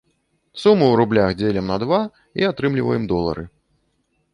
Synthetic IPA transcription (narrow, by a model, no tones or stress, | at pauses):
sumɨwɾublʲaxd͡zʲelʲɛmnɐd̪va | iat̪ɾɨmlʲivɐjɛmd̪ɔlˠɐ̰ɾɨ